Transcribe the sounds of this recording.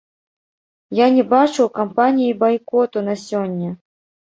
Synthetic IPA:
janʲɛbat͡ʂɨwkampanʲijibajkɔt̪unɐsʲɔnʲːɐ

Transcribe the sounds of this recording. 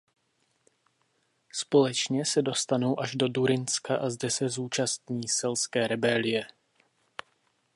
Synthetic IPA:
spo̞lɛt͡ʃɲɛsɛdo̞st̪ano̞wʔaʒdo̞duɾɪnskaʔazdɛsɛzuːt͡ʃast̪ɲiːsɛlskɛːɾɛbɛlɪjɛ

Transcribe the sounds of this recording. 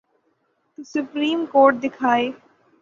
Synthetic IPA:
t̪usʊpɾiːmkoːɾʈ̚d̪ɪkʰaːeː

